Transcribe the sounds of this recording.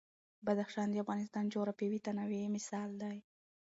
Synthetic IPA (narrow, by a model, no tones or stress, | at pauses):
bad̪axʃɑnd̪əafɣɑnɪst̪ɑnd͡ʒoɾapewit̪anawemɪsɑld̪aj